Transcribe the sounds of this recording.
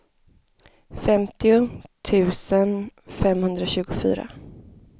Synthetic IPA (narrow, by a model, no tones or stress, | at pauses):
fɛmt̪ɪʊt̪ʰʉ̟ːsənfɛmhɵnd̪ɾaɕʉ̟ːɡʊfy̰ːɾa̰